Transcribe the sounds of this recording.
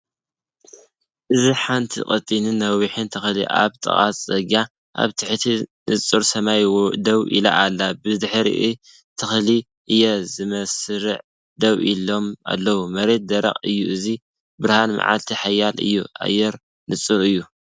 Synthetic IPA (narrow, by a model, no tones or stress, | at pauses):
ʔɨziħant̪ʰḭkʼɐt̪ʼinɨnːɐwiħɨnt̪ʰɨxlḭʔa̰βt̪ʼɨ̰χʼasʼzʼɐɡa | ʔa̰βt̪ʰɨħt̪ʰinɨt͡sʼːuɾsɐmajwod̪ɐwʔḭla̰ʔalːabɨd̪ɨħɾḭʔi | t̪ʰɨxli | ʔɨjːɛzɨmɐsɾɨʕ | d̪ɐwilo̞ma̰lːɐwumɐɾe̞t̪̚d̪ɐɾɐ̰χʼɨjːuʔɨzi | bɨɾhanma̰ʕa̰lt̪ʰiħajːalɨ̰jːua̰jːɛɾ | nɨt͡sʼuɾɨjːu